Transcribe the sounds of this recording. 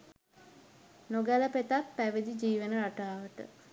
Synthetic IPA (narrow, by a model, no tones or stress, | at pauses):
noɡæləpet̪apːæʋid̪id͡ʒiːʋənəɾaʈaːʋəʈə̰